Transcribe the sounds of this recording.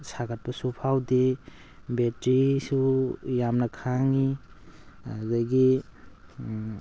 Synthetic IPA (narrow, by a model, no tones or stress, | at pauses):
saɡat̚pɐsupʰawde | betɾisujamnɐkʰaŋi | adɐɡi